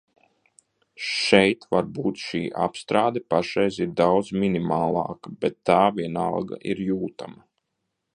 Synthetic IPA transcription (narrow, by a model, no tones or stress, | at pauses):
ʃɛjt̪vaɾbuːt̪ʃiːʔa̰pst̪ɾaːd̪ɛpaʃɛjzʲiɾd̪awd̪zminimaːlˠɑ̰ːkabɛt̪ːaːvʲiɛna̰lˠɡa̰ʔiɾjuːt̪a̰ma